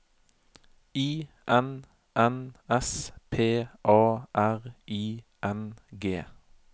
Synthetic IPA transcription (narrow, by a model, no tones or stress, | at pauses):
iː | ʔɛn | ʔɛnɛspʰeːʔɑːʔæʁiː | ʔɛnɡeː